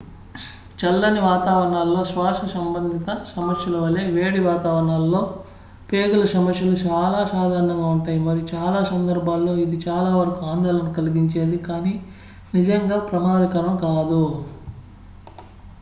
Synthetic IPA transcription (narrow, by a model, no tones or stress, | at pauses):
t͡ʃɐlːɐniʋaːt̪aːʋɐɾɐɳaːlːo̞ːsʋaːʃɐsɐmbɐnd̪ʱit̪ɐsɐmɐsjɐlɐʋɐleːʋeːɽiʋaːt̪aːʋɐɾɐɳaːlːo̞ː | peːɡulɐsɐmɐʃjɐlut͡ʃaːlaːsaːd̪ʱaːɾɐɳɐŋɡaːuɳʈaːjimɐɾijut͡ʃaːlaːsɐnd̪ɐɾbʱaːlːoːid̪it͡ʃaːlaːʋɐɾɐkuaːnd̪ɐːlɐnukɐliɡiɲt͡ʃe̞ːd̪ikaːniː | nid͡ʒɐŋɡaːpɾɐmaːd̪ɐkɐɾɐmkaːd̪u